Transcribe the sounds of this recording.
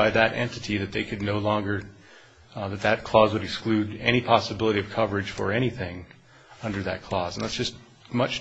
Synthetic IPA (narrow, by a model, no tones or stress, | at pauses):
aɪðɨɾʔɛ̰̃ntɨɾiðɨt̪̚ðeɪkʰɨdⁿnoʊlɔ̃ŋɡə˞ | ðɨt̪̚ðɨt̚kʰl̥ɔzwɨɾɨksklʉɾɛɾ̃ipʰɑsəbɪlˠəɾiʌv̥kʰʌvə˞ɨd̥ʒ̥fə̰˞ɛɾ̃iθɪ̃ŋ | ʌ̃ndə˞ðɨ̰t̚kʰl̥ɔzn̩ðætsd̥ʒ̥ʌst | mʌt͡ʃ